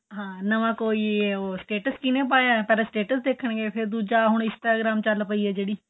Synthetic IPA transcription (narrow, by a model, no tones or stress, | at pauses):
ɦãːnəʋãːkoːiːoːsʈeːʈəskɪnẽːpaːjaːpɛːlãːsʈeːʈəsd̪eːkʰəɳɡeːpʰɪɾd̪uːd͡ʒaːɦʊɳ̃ɪ̃nsʈaːɡɾaːmt͡ʃəlpəiːɛːd͡ʒeːɽiː